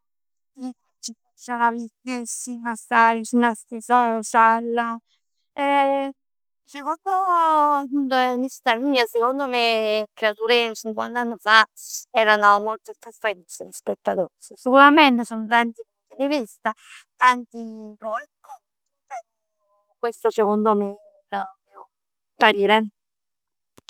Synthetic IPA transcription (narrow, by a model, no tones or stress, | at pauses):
i | t͡ʃifat͡ʃːalavitːesimasaɾit͡ʃinast̪isasalːa | ɛ | sekond̪oapːunt̪oɛnist̪aɾmiːasekond̪omekɾeat̪uɾet͡ʃiŋkwa̰nt̪anːofaɛːɾanomolt̪ot̪ɾasfensenspet̪ːat̪osisikuɾament̪esont̪ant̪ipunt̪id̪ivist̪a | t̪ant̪ipɾɔkːo | ɛ | kwest̪osekond̪ome | ɾapju | paɾiːɾe